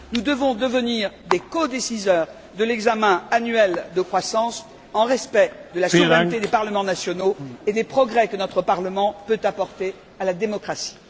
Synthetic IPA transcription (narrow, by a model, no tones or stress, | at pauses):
nud̪əvɔ̃d̪əvəniʁd̪ekɔd̪esizœːʁ | d̪əlɛɡzamɛ̃anɥɛld̪əkχwasɑ̃s | ɑ̃ʁɛspɛd̪əlasɔvʁɛnt̪ed̪epaʁləmɑ̃nasjɔnoed̪epχɔɡʁɛkənɔt̪χəpaʁləmɑ̃pøt̪apɔʁt̪e | alad̪emɔkχasi̥